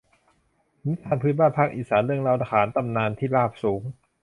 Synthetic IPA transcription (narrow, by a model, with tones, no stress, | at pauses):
ni˦˥aː˧npʰɯː˧˦˥baː˥˩npʰa˦˥˩k̚ʔiː˨˩saː˩˦nɾɯ˥˩əŋɾa˧wt̪a˧˩kʰaː˩˦nt̪a˧mnaː˧nt̪ʰiː˥˩laː˥˩p̚suː˩˦ŋ